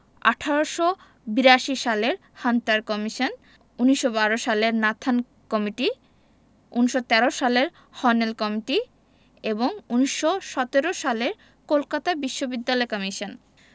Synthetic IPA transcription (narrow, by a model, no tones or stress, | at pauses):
a̰ʈʰaɾoʃo | biɾaʃiʃaleɾ | hanʈaɾkɔmiʃon | uniʃobaɾoʃaleɾnat̪ʰan | kɔmiʈi | unʃot̪ɛɾoʃaleɾ | hɔnelkɔmiʈi | eboŋuniʃːoʃɔt̪eɾoʃaleɾ | kolkat̪abiʃːobid̪ːalɔekɔmiʃon